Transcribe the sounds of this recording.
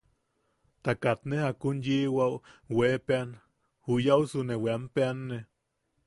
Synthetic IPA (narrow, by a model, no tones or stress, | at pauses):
t̪akat̪nehakunjiwawweːpean | hujausuneweampeanːe